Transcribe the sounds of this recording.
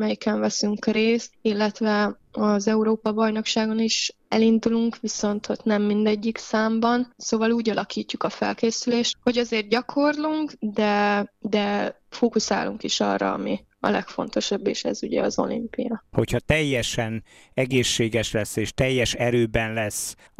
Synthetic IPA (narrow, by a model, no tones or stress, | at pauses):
mɛjikɛɱvɛsyŋkreːst̪̚ilːɛt̪ʋɛ | ɒzɛuɾoːpɒbɒjno̞kʃaːɡo̞niʃ | ɛlind̪uluŋkʋiso̞nt̪ho̞t̪nɛmːind̪ɛɟːiksaːmbɒnsoːvɒluːɟɒlɒkiːcːukɒfɛ̰lkeːsyleːʃt̪ho̞ɟɒzeːrt̪̚ɟɒkʰo̞rluŋkd̪ɛd̪ɛ | foːkusa̰ːluŋkiʃɒ̰rːɒ̰ɒ̰mi | ɒ̰lɛ̰kfo̞̰nt̪o̞ʃɒbːḛːʃɛ̰zuɟɛ̰ɒzo̞̰lḭmpḭjɒho̞chɒt̪ɛjːɛʃɛn | ɛɡeːʃːeːɡɛʃlɛsːeːʃt̪ɛjːɛʃɛɾøːbɛnlɛsː